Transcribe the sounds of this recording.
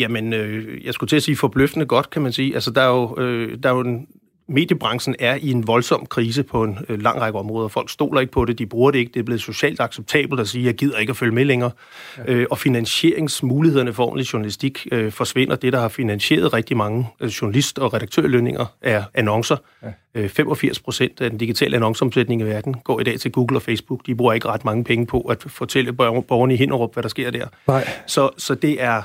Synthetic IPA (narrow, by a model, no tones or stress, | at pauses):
jæmənøjɑ̈ɪsɡ̥ut͡sʰe̝æsiːfɒ̽b̥løfd̥ənəɡ̥ɒ̽d̥kʰæmænsiːʔælsəd̥ɑ̈ɐjo̝ød̥ɑ̈joen | me̝̰ːd̥jəb̥ʁɑ̈ŋsn̩æɐie̝nʋɒ̽lsɒ̽m̰kʰʁiːs̬əpʰɒ̽e̝nlɑ̈ŋ̰ʁɑ̈ɡ̥əɒ̽mʁɔːðˠɐfɒ̽l̰ɡ̥sd̥o̝̰ːlɐe̝ɡ̥əpʰɒ̽ɾe̝d̥ib̥ʁuːɐɾe̝e̝ɡ̥əd̥e̝æb̥le̝ð̩ˠsɕo̝ɕɛ̰ːld̥ɑ̈ɡ̥seb̥̚t͡sʰɛ̰ːb̥l̩d̥æsiːɐjäɡ̥ið̞̰ˠɐe̝ɡ̥æføljəmeleŋɐː | øʔɒ̽finænɕe̝ɐ̰e̝ŋsmuːlihe̝ð̞̰ˠɐnəfɒ̰ːmn̩liɕuʊɐnælisd̥iɡ̥øfɒ̽sʋe̝n̰ɐd̥e̝ɾ̥ɑ̈hɑ̈finænɕe̝̰ːɐð̞ˠʁɛɡ̥̚d̥imɑ̈ŋəɕuɐnælisd̥ɒ̽ʁɛɾ̥ɑ̈ɡ̥̚t͡sʰø̰ɐ̰løne̝ŋɐʔæɐænɒ̽ŋsɐ | øfemʔɒ̽fiɐ̰spʰʁo̝sen̰d̥æd̥end̥iɡ̥it͡sʰɛ̰ːləænɒ̽ŋsəɒ̽msed̥ne̝ŋiʋæɐd̥n̩ɡ̥ɒ̰ːid̥ɛ̰ːt͡sʰe̝lɡ̥uːɡ̥l̩ɒ̽feɪsb̥uɡ̥d̥ib̥ʁuːɐe̝ɡ̥əʁɑ̈d̥mɑ̈ŋəpʰeŋəpʰɒ̽ʔæd̥fɒ̽t͡sʰel̰əb̥ɒʊɐn̩iɦe̝n̰ʔɐʁɔ̽b̥ʋæɾ̥ɑ̈sɡ̥e̝ɐ̰d̥æɐ̰sɒ̽sɒ̽d̥e̝ʔæɐ